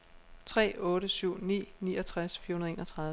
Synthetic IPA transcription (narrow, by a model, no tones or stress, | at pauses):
t͡sʰʁɛ̰ːɔ̽ːɾəsyʊ̰nḭːniːɒt͡sʰʁasfiɐhunɐð̩ˠe̝ːnʌt͡sʰʁɑ̈ð